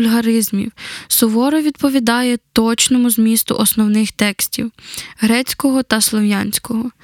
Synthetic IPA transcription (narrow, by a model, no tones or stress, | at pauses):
lʲɦɐɾɪzmʲḭwsʊʋɔɾɔʋʲid̪̚pɔʋʲid̪ɑjɛt̪ɔt͡ʃnɔmʊzmʲist̪ʊ̰ʔɔsnɔwnɪxt̪ɛksʲtʲḭwɦɾɛt͡sʲkɔɦɔt̪ɐslˠɔʋjanʲsʲkɔɦɔ